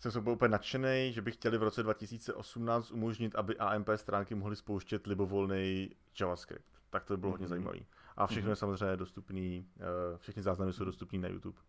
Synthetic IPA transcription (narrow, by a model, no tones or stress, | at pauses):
sɛmsowbupɲɛnat͡ʃɛnɛjʒɛbɪxcɛlɪvɾo̞t͡sɛdvacɪsiːt͡sɛʔo̞sumnaːt͡st̪ʔumo̞ʒɲɪt̪ʔabɪʔaːʔɛmpɛːst̪ɾaːŋkɪmoɦlɪspowʃcɛt̪lɪbovo̞lnɛj | d͡ʒavaskɾɪ̰pt̪ːak̚t̪obɪbɪloɦodɲɛzajiːma̰vḭːʔa̰fʃɛxnojɛsamozrɛjɲɛdost̪upniːfʃɛxnɪzaːznamɪso̞wdo̞st̪upniːna̰jṵt̪up